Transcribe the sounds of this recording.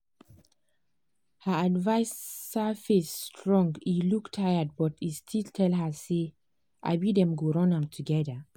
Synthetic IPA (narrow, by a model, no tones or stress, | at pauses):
həadvaɪsafestʰɹɔ̃ŋɡiluktʰːajəd̚bɔtistʰiltʰɛlɦəse | ʔa̰ɪbidɛ̃mɡoɹɔ̃nãmtʰuɡɛðə